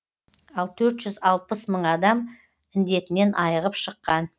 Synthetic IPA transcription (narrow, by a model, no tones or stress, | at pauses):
ɑlˠt̪ʰɵɾt̪ʒ̥ʏzɑlˠpəsməɴɑd̪ɑm | ɪnd̪e̞t̪ɪne̞nʔɑjəʁəpʃəqːɑn